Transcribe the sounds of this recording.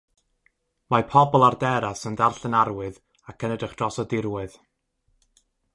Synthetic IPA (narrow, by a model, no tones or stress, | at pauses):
mapʰɔbɔlˠardɛɾasəndarɬənaɾwɨð | akʰənədrɪχd̥rɔsɔdɪrwɨð